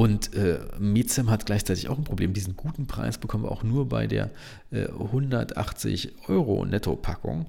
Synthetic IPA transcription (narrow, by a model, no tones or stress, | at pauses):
ʔʊntʔɛːmeːt͡sɛmɦat̚ɡ̥laɪçt͡saɪtɪçaʊxnpʁ̥obleːmndiːzn̩ɡuːtn̩pʁ̥a̰ɪsb̥əkʰɔmənviɐ̰ʔaʊxnuːɐba̰ɪdḛːɐ | ʔɛ̰ːhʊndɐtʔa̰χt͡sɪ̰çʔɔʏʁo̰nɛtʰopʰakʊ̰ŋ